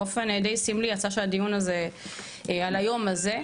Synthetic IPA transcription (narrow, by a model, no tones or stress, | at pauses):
ofend̪ejsimlijat͡saʃead̪ijunaze̞ | ealajo̞maze̞